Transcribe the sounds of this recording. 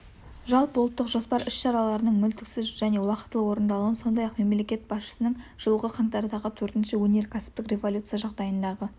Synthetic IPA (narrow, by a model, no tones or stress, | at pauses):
ʒɑlˠpəwlˠət̪ːəqʒo̞spɑɾɪʃʃɑɾɑlˠɑɾənəɴmʏlt̪ɪksɪzʒæne̞wɑqə̥t̪ːəlˠəwo̞ɾənd̪ɑlˠuwənso̞nd̪ɑjɑqme̞mle̞kʲe̞t̪̚b̥ɑsʃə̥sənəɴʒ̥əlˠəʁəqʰɑmt̪ɑɾd̪ɑʁət̪ʰɵɾt̪ɪnʃɪwɵne̞ɾkʲʰæsɪ̥p̚t̪ɪkrʲe̞volʲut̪sɨjɑʒɑʁd̪ɑjənd̪ɑʁə